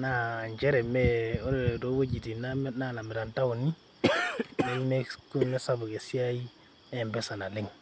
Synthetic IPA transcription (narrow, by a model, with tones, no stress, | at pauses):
na˦ɲd͡ʒe˦ɾe˨me˦o˦ɾdo˦we˦d͡ʒi˨ti˨na˦m˦na˦na˨me˨ɾa˨nta˦wu˨ni˦ | me˦ji˦me˦ku˦me˦sa˦bu˨ke˨si˦a˦ji˦ | e˦˨mbe˦sa˨na˨le˦ŋ